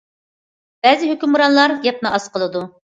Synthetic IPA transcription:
b̥ɛzɪɦøkʲymuɾɑnlˠɑɾjɛp̚nɨɑsqʰəlˠɨd̪u

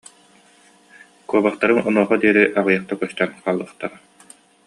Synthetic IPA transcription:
kuɔbaχt̪aɾɯŋɔnuɔχɔd̪iɛɾiʔaʁɯjaχt̪akœst̪œnqaːlˠːɯːχt̪aɾa

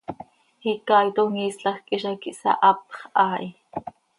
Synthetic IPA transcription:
hikɑːjt̪oŋiːsɬɑxkʼiʃɑkiʔsɑ̰ʔɑpχʔɑːʔi

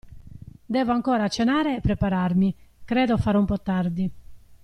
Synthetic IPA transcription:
d̪ɛːvoaŋkɔːɾat͡ʃenaːɾeːpːɾɛpaɾarmikɾɛːd̪ofaːɾoumpɔt̪ːard̪i

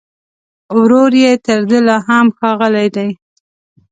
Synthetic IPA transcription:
wɾoɾjet̪əɾd̪əlɑɦamxɑɣəlajd̪aj

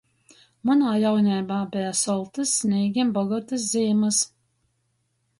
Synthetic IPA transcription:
manaːjawnʲɛjbaːbʲijasɔlˠt̪ɨsːnʲiːɡʲimbɔɡɔt̪ɨs̬ziːmɨs

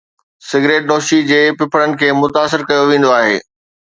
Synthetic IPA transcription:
sɪɡɾeːʈ̚ɗoːʃid͡ʑeːpɪpʰəɽənɪ̆kʰeːmʊt̪aːsɪɾkɐjoʋẽːn̆d̪oaːɦḛː

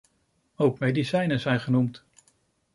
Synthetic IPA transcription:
owkmejdisɛjnəzɛjnχənumt

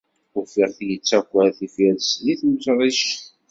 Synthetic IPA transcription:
ʊfiʁθjət͡sːækʷːæθifæɾsliθməsɾˤiʃ

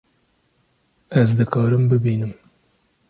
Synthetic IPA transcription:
æzd̪ɨkʰɑːɾɨmbɨbiːnɨm

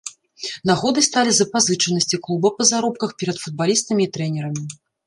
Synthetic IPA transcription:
naɣɔd̪ɨst̪alʲizɐpazɨt͡ʂɐnɐsʲt͡sʲiklˠubɐpɐzaɾɔp̚kɐxpʲɛɾɐt̪fud̪̚balʲist̪ɐmʲiːt̪ɾɛnʲɛɾɐmʲi

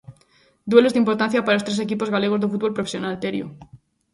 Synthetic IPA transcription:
d̪we̞le̞zðeimpo̞ɾt̪ãnθjapaɾalost̪ɾe̞sekipo̞zɣale̞ɣ̞o̞zðefut̪βolpɾofesjo̞nalt̪eɾjo̰

